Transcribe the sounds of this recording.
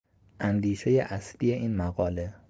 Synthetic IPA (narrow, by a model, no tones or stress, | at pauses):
ʔænd̪iːʃe̞jeʔæslije̞ʔiːnmæɣɒːle̞